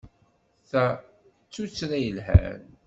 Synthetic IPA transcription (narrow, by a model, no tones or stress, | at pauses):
θæ | t͡sːut͡sːɾæjəlɦæ̰n